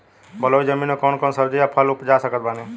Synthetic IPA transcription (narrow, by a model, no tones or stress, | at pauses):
bəloːid͡ʒəmĩːnokɔːnkɔːnsəbd͡ʒejapʰəlʊpd͡ʒaːsəkət̪̚baːne